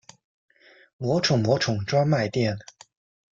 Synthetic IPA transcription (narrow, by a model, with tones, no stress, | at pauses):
mwɔ˧˥ʈ͡ʂʰʊ˨˩ŋmwɔ˧˥ʈ͡ʂʰʊ˨˩ŋʈ͡ʂwa˥ŋma˥˧ɪt̪jɛ˥˩n